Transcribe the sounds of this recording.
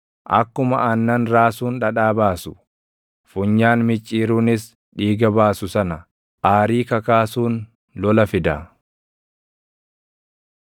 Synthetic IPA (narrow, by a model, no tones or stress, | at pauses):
ʔɐ̰kːʊmɐ̰ʔɐnːɐnɾaːsuːnᶑɐᶑaːbaːsʊ̥ | fʊɲːaːnmɪt͡ʃʼːiːɾuːnɪs | ᶑiːɡɐbaːsʊsɐnɐ | ʔaːɾiːkɐkaːsuːn | lɔlɐfɪd̪ɐ